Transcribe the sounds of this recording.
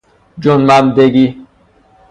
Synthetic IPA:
d͡ʒonmamd̪eɡi

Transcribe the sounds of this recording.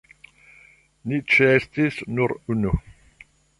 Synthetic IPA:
nit͡ʃɛst̪isnuɾunu

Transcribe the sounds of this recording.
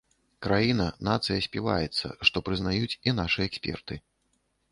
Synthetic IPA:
kɾajinɐnat̪sɨjɐsʲpʲiva̰jɛt̪sːɐ̰ʂt̪ɔpɾɨznajut͡sʲinaʂɨjɛɛksʲpʲɛ̰rt̪ɨ

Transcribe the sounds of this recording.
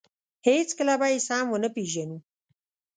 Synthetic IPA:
het͡skəlabajesɑmwənəpeʒanu

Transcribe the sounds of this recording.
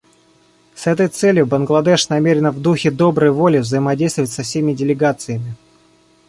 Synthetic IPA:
sɛt̪̬əjt̪sɛlʲjʊbənɡlˠɐd̪ɛʂnɐmʲeɾʲɪnvd̪uxʲɪd̪o̞bɾəjvo̞lʲɪvzəjɪmɐdʲejst̪vəvətʲsɐfsʲemʲɪdʲɪlʲɪɡat̪sɨjəmʲɪ

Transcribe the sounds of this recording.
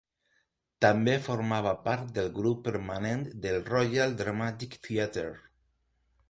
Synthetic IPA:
t̪ambefoɾmaβ̞apaɾt̪̚d̪elɡɾupːeɾmanẽnt̪d̪elrojald̪ɾamat̪ikt̪iat̪eɾ

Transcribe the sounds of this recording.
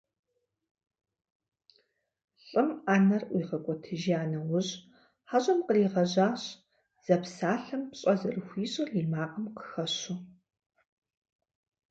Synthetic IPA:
ɬʼɨmaːnɐrʔʷiːʁɐkʷʼɔtʰɨʒiaːnɐwʊʑ | ħaɕʼɐmqəriːʁɐʑaːɕ | z̥ɐpsaːɬɐmpɕʼɐzɐrɨxʷiːɕʼɪriːmaːqʼɐmqə̥xɐɕʊ

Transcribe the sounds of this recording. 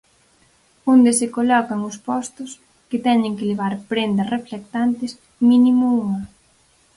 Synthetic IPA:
ond̪esɪkolɔkɐŋʊspɔst̪ʊs | kɪt̪ɛɲɪ̃ŋkɪleβ̞aɾpɾend̪ɐsreflek̚t̪ant̪ɪs | mĩnimʊuŋɐ

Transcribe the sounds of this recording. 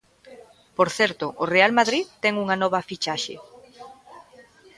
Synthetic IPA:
poɾθɛɾt̪ʊʔorealmaðɾiðt̪ɛŋuŋanɔβ̞ɐfit͡ʃaʃḛ

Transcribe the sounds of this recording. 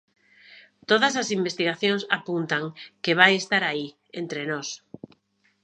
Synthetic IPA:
t̪oðasasimbest̪iɣaθjõŋsapunt̪aŋkeβ̞ajest̪aɾai | ent̪ɾenɔs

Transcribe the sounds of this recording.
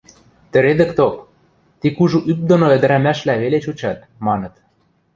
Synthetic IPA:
t̪ə̆ɾed̪ə̆kt̪op | t̪ikuʒuʔyp̚d̪onoə̆d̪ə̆ɾæmæʃlæβelet͡ɕut͡ɕɑt̪̚ | mɑnɤ̆t̪

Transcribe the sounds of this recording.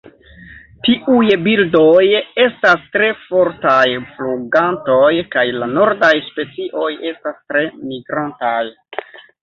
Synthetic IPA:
tiʔujbildo̞je̞stastɾe̞fo̞ɾtajfluɡanto̞jkajlano̞ɾdajspe̞t͡siʔo̞je̞stastɾe̞miɡɾantaj

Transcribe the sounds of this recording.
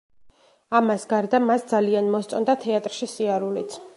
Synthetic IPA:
amasɡaɾd̪amasd̪zalianmɔst̪sʼɔnd̪at̪ʰɛat̪ʼɾʃisiaɾulit̪sʰ

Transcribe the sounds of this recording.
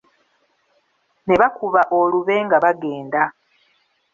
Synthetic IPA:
ne̞βakuβaʔoluβe̞ːŋɡaβaɡe̞ːnda

